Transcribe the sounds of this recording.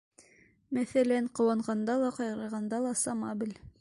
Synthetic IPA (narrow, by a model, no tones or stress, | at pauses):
mæθælæŋqŏwɑɴʁɑnd̪ɑlˠɑqɑjɾɤ̆ɾʁɑnd̪ɑlˠɑsɑmɑ̰bɘl